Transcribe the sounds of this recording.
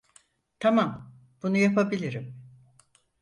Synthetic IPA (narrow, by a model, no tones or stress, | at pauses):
t̪ʰamam | b̥unujapʰabilʲiɾim